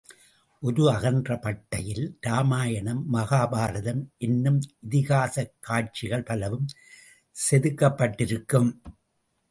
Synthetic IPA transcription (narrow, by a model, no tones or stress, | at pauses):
ʔɔɾɯɐɣɐnd̪rɐpɐʈːɐjɪlɾaːmaːjɐɳɐmːɐɣaːbaːɾɐðɐmʔɛnːɯmɪðɪɣaːsɐkːaːʈ̚t͡ʃɪɣɐɭpɐlɐʋɯm | sɛðɯkːɐpːɐʈːɪɾɯkːɯm